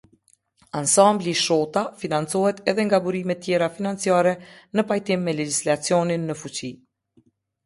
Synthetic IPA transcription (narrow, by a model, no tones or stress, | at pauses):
ansambliʃɔt̪afinant͡sɔhɛt̪ɛðɛŋɡabuɾimɛt̪ːjɛɾafinant͡siaɾɛnəpajt̪imːɛlɛd͡ʑislat͡siɔninːəfut͡ɕi